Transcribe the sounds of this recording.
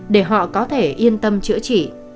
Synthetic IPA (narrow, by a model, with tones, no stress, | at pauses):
ɗe˧˩ɦɔ̰˧˨kɔ˨˦t̪ʰe˧˩ʔi˧ənt̪ə˧mt͡ɕɨ̰˧˥ət͡ɕḭ˧˨